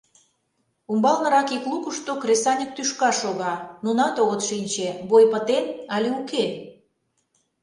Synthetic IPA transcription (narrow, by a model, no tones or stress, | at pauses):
umbɑlnɤ̆ɾɑkiklukuʃt̪okɾesɑnʲək̚t̪yʃkɑʃoɣɑnunɑt̪oɣət̪ʃinʲt͡ɕeβojpət̪enɑlʲeuke